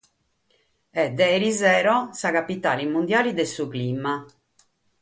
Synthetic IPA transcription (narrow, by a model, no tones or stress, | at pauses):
ɛd̪ːɛɾizɛːɾɔsaɣapit̪aːlimːund̪jaːlid̪ɛsukliːma